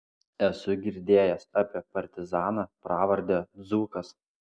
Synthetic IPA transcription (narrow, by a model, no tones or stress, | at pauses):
ɛsʊɡʲɪɾʲd̪ʲeːjɛsɑːpʲiɛpɐɾʲt̪ʲɪzɑːnɑpɾɑːʋɐɾʲd̪ʲɛzuːkɐs